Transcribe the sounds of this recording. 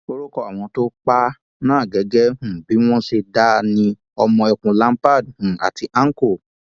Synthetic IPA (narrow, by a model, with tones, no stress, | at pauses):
o˧˦ɾo˦kɔ˦˨a˨w̃ɔ̃˧to˦k͡pa˦ | nãː˦˨ɡɛ˨˦ɡɛ˦hũ˨bi˨˦w̃ɔ̃˦ʃe˧da˦nĩ˧ | ɔ˧mɔ̃˧ɛ˧˨kũ˨˧lã˦m˦pa˦˨dhũ˨a̰˨ti˧ʔã˦ŋ̩˦ko˦˨